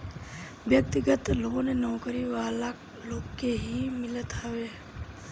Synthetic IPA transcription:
ʋjək̚t̪ɪɡət̪loːɡõnenɔːkɾiʋaːla | loːɡkeɦimɪlət̪ɦəʋe

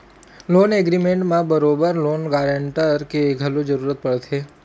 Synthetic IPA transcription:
loːneɡɾimẽɳʈmãbəɾoːbəɾloːnɡaːɾəɳʈəɾkeɡʱəlod͡ʒəɾuːɾət̪̚pəɽt̪ʰeː

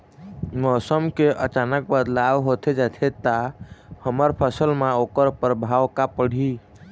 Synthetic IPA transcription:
mɔːsəmkeʔət͡ʃanək̚bəd̪lawɦot̪ʰed͡ʒat̪ʰet̪ahəməɾpʰəsəlmeokəɾpəɾəbʱawkapəɽ̤i

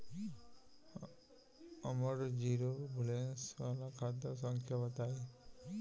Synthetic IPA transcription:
əməɾd͡ʒiɾobʱulensʋalakʰad̪as̬ɔŋkʰjabət̪aj

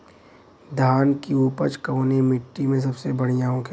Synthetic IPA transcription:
d̪ʱaːnkiuːpət͡ʃkɐonemɪʈːimẽs̬ɐbsebɐɽ̤ijãːõke

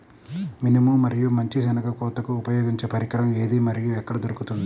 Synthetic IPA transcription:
minimuːɐɾijumɐɲt͡ʃid͡ʒɐnɐkɐkɔːt̪ɐkuːpɐjoːɡiɲt͡ʃepɐɾikɾɐme̞ːd̪imɐɾijuɛkːɐɽɐd̪oɾukut̪und̪i

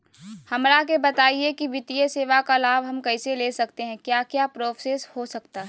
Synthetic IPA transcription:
hɐmɾakebɐt̪aːiekiʋɪt̪ijəseːʋakalaːbɦɐmkɐɪseleːsɐkt̪eɦɛ̃kjaːkjaːpɾoːfseshosɐk̚t̪aɦɛ

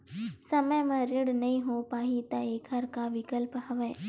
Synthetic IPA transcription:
sɐməjmɐ̃ɾɪ̃ɽnɐɦĩɦopaːɦit̪ɐeːkɐɾkaʋɪkəlpɦɐʋeː

